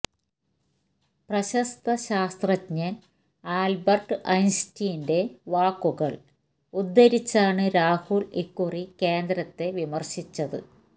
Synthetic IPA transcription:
prɐɕɐst̪ɐɕaːst̪rɐtɲɐn | aːlbɐrʈɨʔɐjnstijnde̞ʋaːkːuɣɐɭ | ud̪ːɐɾit͡ɕːaːɳɨɾaːhuɭikːurike̞ːnd̪ɾɐt̪ːe̞ʋimɐrɕit͡ɕːɐðɨ̰

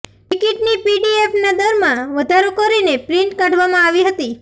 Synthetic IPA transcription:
ʈikiʈnipiɖiefnad̪əɾmãʋəd̪ʱaɾokəɾinepɾɪ̃ɳʈkãɽʋamãaʋiɦət̪i

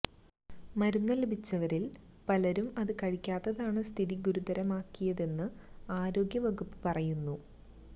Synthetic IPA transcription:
mɐɾunːɐlebit͡ɕːɐʋɐɾil | pɐlɐɾumɐðɨkɐɻikʲːaːt̪ːɐðaːɳɨst̪ʰiðiɡuɾud̪ɐɾɐmaːkːijɐðe̞nːɨaːɾo̞ːɡʲjɐʋɐɣupːɨ̥pɐrɐjunːu

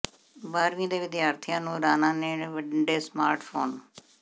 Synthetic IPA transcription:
baːɾʋĩːd̪eːʋɪd̪jaːɾt̪ʰɪjãːnũːɾaːnãːneːʋəɖeːsmaːɾʈpʰoːn

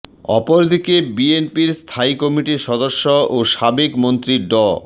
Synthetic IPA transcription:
ɔ̰poɾd̪ʱikebienpiɾst̪ʰaikɔmiʈiʃɔd̪oʃːooʃabekmont̪ɾiɖɔ

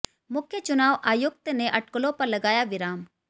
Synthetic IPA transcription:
mʊkʰjət͡ʃʊnaːʋʔaːjʊk̚t̪neʔɐʈ̚kəlõpɐɾlɐɡaːjaʋɪɾaːm

